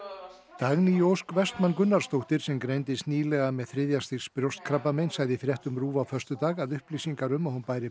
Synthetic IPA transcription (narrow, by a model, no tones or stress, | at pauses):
t̪aɣnijowskvɛst̪mankʏnːaɾ̥st̪owht̪ɪɾ̥sɛmkɾejnt̪ɪst̪niːlɛɣamɛðθɾɪðjast̪ɪspɾjowst̪̚kʰɾapamejnsaːjðɪθɾjɛht̪ʏmɾuːvawfœrst̪ʏt̪aːɣaðʏhplisiŋkaɾʏmahanpaːjɾɪ